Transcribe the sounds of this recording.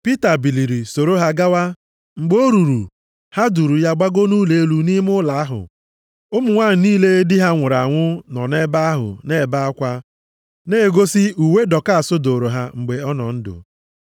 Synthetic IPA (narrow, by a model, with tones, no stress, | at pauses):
pi˦ta˨bi˨li˨ɾi˨so˨ɾo˦ɦa˦ɡa˦wa˦ | ŋ͡m̩˨ɡ͡bo˦ɾu˨ɾṵ˨ | ha˦du˨ɾu˨ja˦ɡ͡ba˦ɡo˦nu˦le˨e˦lu˨ni˦m˦ʊ˦la˨a˦ɦʊ̰˨ | ʊ˦mʊ˨ŋʷaː˦˨niː˦le˦dɪ˦ɦa˦ŋʷʊ˨ɾa˨ŋʷʊ˦nɔ̰˨ne˦ba˦a˦ɦʊ̰˨ne˦˨ba˦a˦kʷa˦ | ne˦˨ɡo˦si˦u˨we˦dɔ˨ka˦a˨sʊ˦do˨ɾo˨ɦa˦ŋ͡m̩˨ɡ͡be˨ɔ˦nɔ̰˨n̩˦dʊ̰˨